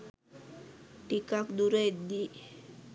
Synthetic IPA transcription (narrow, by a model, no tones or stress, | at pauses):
ʈikakd̪uɾeed̪i